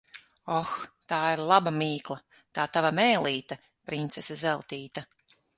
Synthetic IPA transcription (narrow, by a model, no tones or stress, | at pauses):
ɔxt̪aːiɾlˠabamiːklˠɐ | t̪aːt̪avamɛːlˠiːt̪a | pɾint̪sɛsazɛlˠt̪iːt̪a